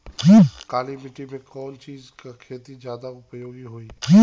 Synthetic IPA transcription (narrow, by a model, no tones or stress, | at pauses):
d͡ʒiːkaːlimɪʈimẽkɔːnt͡ʃiːzkakʰeːt̪id͡ʒjaːd̪aʊpjoːɡiɦoːiː